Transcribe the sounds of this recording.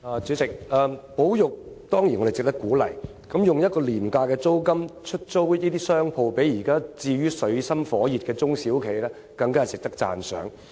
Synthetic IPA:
ɐː˨˩t͡sy˨˥t͡sɪ˨k̚aː˨po˨˥wjʊ˨k̚t̪ɔː˥ŋji˨˩nɔ˧de˨˩t͡sɪ˨k̚t̪ɐ˥kːuː˨˥lɐ̰˨˩j | kɐ˨˥mjʊ˨ŋjɐ˥t̚kɔː˧liː˨˩mkaː˧kɛː˧t͡so˥wkɐ˥mt͡ʃʰɵ˥t̚t͡so˥wiː˥t̪iː˥sœː˥ŋpʰo˨˧wpe˨˥jjiː˨˩kaː˥t͡siː˧ɥyː˥sɵ˨˧˥ɥsɐ˥mfɔː˨˥jiː˨t̚kɛː˧t͡sʊ˥ŋsiː˨˥wkʰe˨jlɛː˥ | kɐ˧ŋkaː˥˨˩sɪ˨k̚t̪ɐ˥k̚t͡sa̰ː˨˩nsœ̰ː˨˥ŋ

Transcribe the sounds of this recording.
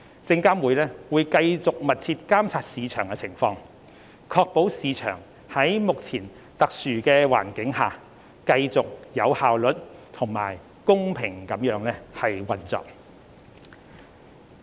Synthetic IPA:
t͡sɪ˧ŋkaː˥mwuː˨˧jlɛː˥wuː˨˧jkɐ˧jt͡sʊ˨k̚mɐ˨t̚t͡sʰiː˧t̚kaː˥mt͡sʰaː˧t̚siː˨˧t͡ʃʰœː˨˩ŋkɛ˧t͡sʰɪ˨˩ŋfɔː˧ŋ | kʰɔː˧k̚po˨˥wsiː˨˧t͡ʃʰœ̰ː˨˩ŋ | hɐ˨˥jmʊ˨k̚t͡sʰiː˨˩n | t̪ɐ˨k̚syː˨˩kɛː˧wa̰ː˨˩nkɪ˨˥ŋɦaː˨˩ | kɐ˧jt͡sʊ˨k̚jɐ˨˧whaː˨wlɵ˨t̚t̪ʰʊ˨˩ŋma̰ː˨˩j | kʊ˥ŋpʰɪ˨˩ŋkɐ˨˥mjœː˨˥ŋlɛː˥hɐ˨jwɐ˨nt͡sɔ̰ː˨˩k̚

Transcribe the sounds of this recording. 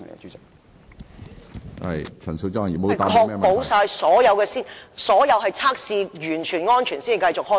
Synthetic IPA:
ŋḛ˨kt͡ʃyː˨˥t͡sɪ˨k̚ | hɐ̰˨jt͡sʰɐ˨˩nso˧wt͡sɔ˥˨i˨˩mo˧˨tːa˨kʰɔː˧kmɛː˥po˨˥wsaː˧jsɔː˨˥jɐ˨˧wkɛː˧siː˥nsɔː˨˥jɐ˨˧wɦɐ˨jt͡sʰaː˥k̚siː˧jyː˨˩nt͡ʃʰyː˨˩nŋɔː˥nt͡ʃʰyː˨˩nsiː˥n˨kɐ˧jt͡sʊ˨k̚hɔː˥

